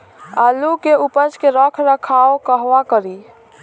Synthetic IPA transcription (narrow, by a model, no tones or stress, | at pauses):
alukeupət͡ʃkeɾəkʰɾəkʰaokəɦʋakəɾi